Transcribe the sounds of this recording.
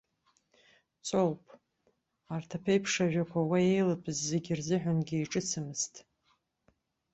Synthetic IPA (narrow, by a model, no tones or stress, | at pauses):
t͡sʷʰʼowpʼ | artʰapʰejpʰʂaʒᶣakʷʰawaejlapʼɨzːeɡʲɪrzɨħᶣʷanɡʲijʈ͡ʂʼɨt͡sʰɨmɨstʼ